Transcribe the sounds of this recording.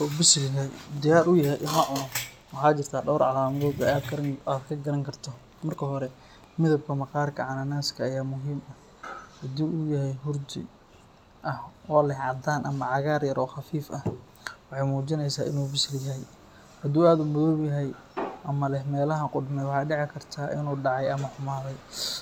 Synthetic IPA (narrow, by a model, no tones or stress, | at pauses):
ubɪslɪjɐɦɛjd̪ɪjaːɾʊjɐɦɛjʔɪmɐʕʊnɔ | wɑħɑːt͡ʃɪrt̪ʰaːɖɔwɾʕɑ̰laːmɐðɔːd̪aːd̪kʰɐɾɐŋaːd̪kʰɐɡɐɾɐŋkʰɐrt̪ʰɔ | mɐrkʰɐɦɔɾɛ | mɪðɐb̚kʰɐmɐqɑːrkʰɐ̰ʕɑnɐnaːskʰɐːjaːmʊɦiːmɐ | hɐd̪uːʔʊjɐɦɛjɦʊrt̪ɪ̰ | ʔɐhɔːlɛɦʕɑd̪aːnʔɐmɐʕɑɣaːrjɐɾʔɔːxɑfiːfɐh | wɑħɑjmuːt͡ʃɪnɛjsaːʔɪ̰nuːbɪsljɐɦɛj | hɐd̪uːaːd̪ʊmɔðɔːbjɐɦɛj | ʔɐmɐlɛɦmɛːlɐɦɐqʊɖmɛjwɑħɑjɖɪʕɪkʰɐrt̪ʰaːʔɪ̰nuːɖɑʕɑjɐmɐħʊmaːðɛj